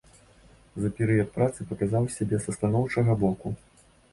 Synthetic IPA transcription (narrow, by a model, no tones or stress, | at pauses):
zɐpʲɛɾɨjɐt̪̚pɾat̪sɨpɐkazawsʲabʲɛsɐst̪anɔwt͡ʂɐɣɐbɔku